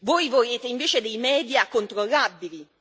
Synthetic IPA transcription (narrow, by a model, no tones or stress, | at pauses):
vojvoleːt̪eiɱveːt͡ʃed̪ejmɛːd̪jakːont̪ɾolːabːili